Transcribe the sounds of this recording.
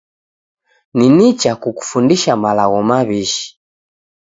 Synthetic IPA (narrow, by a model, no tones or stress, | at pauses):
ninit͡ʃakuku̥fundiʃamalaɣɔmaβiʃi̥